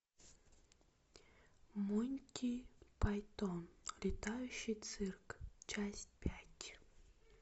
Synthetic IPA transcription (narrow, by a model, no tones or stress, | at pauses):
munʲkʲijpajt̪onlʲɪt̪ajʉɕːijt̪sɨrkt͡ʃasʲtʲpʲatʲ